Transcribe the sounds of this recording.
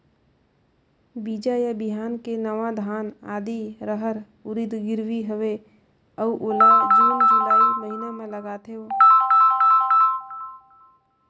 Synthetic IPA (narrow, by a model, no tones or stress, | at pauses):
biːd͡ʒajabiɦaːnkenəʋad̪ʱaːnaːd̪iɾəɦəɾ | ʊɾid̪ɡɪɾwiɦəʋe | əuʔoːlad͡ʒiːnd͡ʒɪlaːiməɦinemẽləɡaːt̪ʰeoː